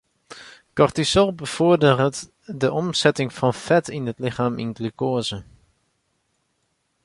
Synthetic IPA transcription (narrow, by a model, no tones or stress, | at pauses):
kɔɹtisɔlˠbəv̥ʊːɹdərt | dəʔɔmz̥ɛtɪŋvɑnfɛtɪnɦətlɪχaːmɪ̰nɡlykoːzə